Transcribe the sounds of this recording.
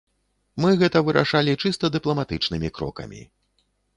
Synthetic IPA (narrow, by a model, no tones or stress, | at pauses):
mɨɣɛt̪ɐvɨɾʔa̰ʂalʲit͡ʂɨst̪ɐd̪ɨplˠɐmat̪ɨt͡ʂnɨmʲikɾɔ̰kɐ̰mʲḭ